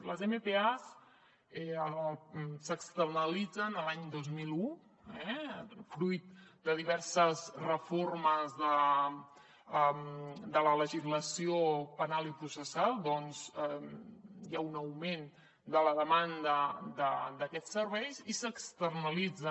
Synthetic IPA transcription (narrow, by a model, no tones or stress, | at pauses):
ləzemepeas | ɛə | səkst̪ərnəlid͡zənəlaɲd̪ozmilˠu | ɛfɾujt̪̚d̪əðiβɛɾsəzrəforməzðə | əmd̪ələləʒizləsiopənalˠipɾusəsalˠd̪ɔnz | jaunəwmen | d̪ələðəmand̪əd̪əd̪əkɛsəɾβɛjzisəkst̪ərnəlid͡zə